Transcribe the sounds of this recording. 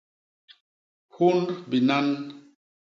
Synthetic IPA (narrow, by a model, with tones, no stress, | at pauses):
hu˦ndbi˨na˦n